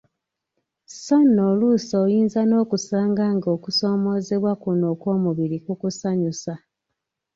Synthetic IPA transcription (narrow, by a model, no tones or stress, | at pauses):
so̞nːolusoːjiːnzano̞ːkusaːŋɡaːŋɡo̞kuso̞ːmo̞ze̞βwakuno̞ːko̞ːmuβiɾikukusaɲusa